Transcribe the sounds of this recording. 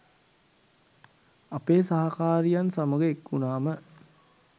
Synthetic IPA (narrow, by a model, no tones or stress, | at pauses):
apeːsaɦakaːɾijansaməɡəekːunaːmə